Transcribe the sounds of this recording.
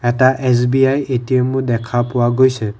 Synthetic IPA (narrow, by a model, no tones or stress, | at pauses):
ɛtaʔɛsbiajetiemʊdɛkʰapʊwaɡojsɛ